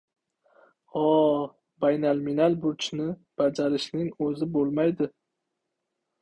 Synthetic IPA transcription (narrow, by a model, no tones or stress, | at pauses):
ɒ | bajnalminalˠbʊɾt͡ʃnɪb̥ad͡ʒaɾɪʃnɪŋɵzɪbolˠmajd̪ɪ